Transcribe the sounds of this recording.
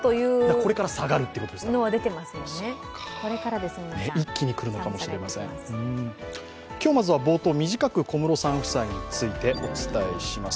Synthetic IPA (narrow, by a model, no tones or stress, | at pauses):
t̪ojɯːako̞ɾe̞kaɾasaɡaɾɯ̟t̪ːeikotod̪esnoβad̪e̞t̪e̞masɨjone | ko̞ɾe̞kaɾad̪e̞sɨmeikʲːiɲ̟ikɯ̟ɾɯ̟no̞kamo̞ɕiɾe̞masẽ̞̰ɯ̃ | kʲo̞ːmazɨβabo̞ːt̪o̞ːmʲiʑikakɯ̟ko̞mɯ̟ɾo̞sãɰ̃ɸɯ̟̥saiɲ̟it͡sɨit̪e̞o̞t͡sɨ̥t̪aeɕimas